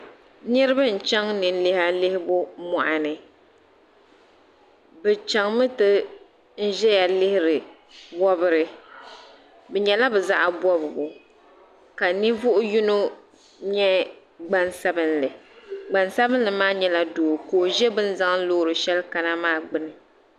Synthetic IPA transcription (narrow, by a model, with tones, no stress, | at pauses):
nɨ˦ɾɨ˦bɨ˦n̩˨t͡ʃɛ˦ŋnɨ˨n̩˦lɪ˦ha˦lɪ˦hɪ˦bʊ˦mɔ˨ʔa˨nɨ˨ | bɛ˨t͡ʃɛ˦ŋmɨ˦tɨ˦ | n̩˦ʒɛ˦ja˨lɪ˦hɪ˦ɾɨ˨ | bɔ˦bɨ˦ɾɨ˨ | bɛ˨ɲɛ˨la˦bɛ˨za̰˦ʔa˨bɔ˦bɨ˨bʊ˨ | ka˨ni˦vʊ˦ʔʊ˦ju˦no˦ | ɲɛ˦ | ɡ͡ba˦nsa˦bɨ˦nlɨ˨ɡ͡ba˨nsa˦bɨ˦n̩˦lɨ˨maː˦ɲɛ˦la˦doː˨koː˨ʒɛ˦bɨ˦n̩˦za˦ŋ˦n̩˦loː˦ɾɨ˨ʃɛ˦lka˨na˦maː˦˨ɡ͡bɨ˦nɨ˨